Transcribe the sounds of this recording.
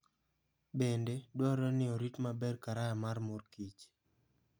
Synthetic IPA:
bendedwɔɾɔnɪɔɾitmabɛrkaɾajamaɾmoɾkit͡ʃ

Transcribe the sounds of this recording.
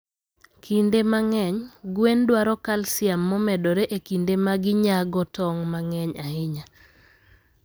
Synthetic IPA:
kʰindemaŋɛɲɡwendwaɾɔkalsɪamːɔmɛdɔɾɛʔekindemaɡɪɲaɡɔtɔŋmaŋɛɲaɪɲa

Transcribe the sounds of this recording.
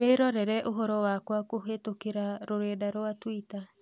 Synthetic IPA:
eːɾɔɾɛɾɛʔoɦɔɾɔwakwakoɦetokeɾaɾoɾeːdaɾwatwita

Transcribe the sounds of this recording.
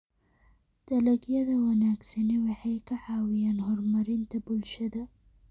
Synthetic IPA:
d̪̥ɐlɐɡjɐðɐwɐnaːɡsɐnɛwɑħɑjkʰɐʕɑːwɪjaːnɦɔrmɐɾɪnt̪ʰɐbʊlʃɐðɐ

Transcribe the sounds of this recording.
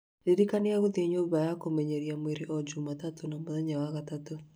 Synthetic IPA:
deɾikaneaɣoðieɲoβajakomɛɲɛɾiamweɾeʔɔd͡ʒumatatʰonamoðɛɲawaɣatato

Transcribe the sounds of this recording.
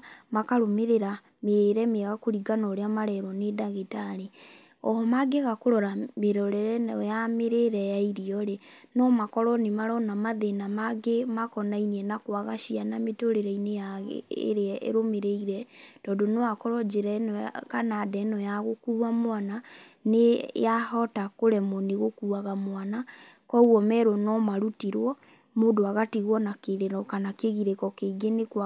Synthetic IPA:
makaɾomeɾeɾa | meɾɛmeɣakoɾiɡanɔɾeamaɾɛɾwɔnedaɣetaɾe | ɔhɔmaɡeɣakoɾɔɾameɾɔɾɛɾɛɔjameɾeɾɛjaiɾiɔɾenɔmakɔɾɔnemaɾɔnamaðenamaɡemakɔnainiɛnakwaɣaʃianametoɾeɾɛineja̰ḛɾeɛḛɾomeɾeiɾɛd̥ɔːdonɔakɔɾɔd͡ʒeɾɛnɔkanadɛnɔjaɣokuɾamwana | nḛjahɔtakoɾɛmɔneɣokuaɣamwanakɔuɣɔmɛɾwɔnɔmaɾutiɾwɔ | modoaɣatiɣwɔnakeɾeɾɔkanakeɣiɾekɔkeɡenekw

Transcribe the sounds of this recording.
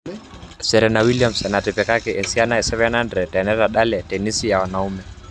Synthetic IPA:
sɛɾɛnawilijam̩sɛnatɛpɛkakɛʔɛnsianaɛsɛvɛnandɾɛtɛnɛɾaɗalɛtɛnisijawanaumɛ

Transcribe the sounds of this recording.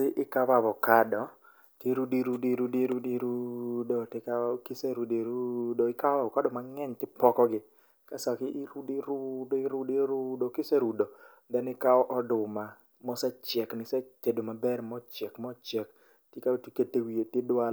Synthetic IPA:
tɪʔɪkawaβɔkadɔ | teɾudiɾudiɾudiɾudiɾudɔtɪkakɪseɾudeɾudoɪkawabɔkadɔmaŋɛɲtɪpɔkɔɡɪ | kasakɪʔɪɾudiɾudoɪɾudiɾʊdokɪseɾudo | d̪ɛnɪkaɔʔɔdʊma | mɔsɛt͡ʃjɛknɪsɛtedomabɛrmɔt͡ʃɛkmɔt͡ʃɛk | tjekatiketewietjedwal

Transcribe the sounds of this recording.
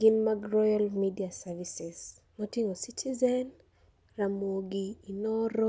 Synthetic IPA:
ɡ̥ɪnmaɡrɔjalmidiasavisɛsmotiŋositʰizɛn | ramwoɡiːnɔɾɔ

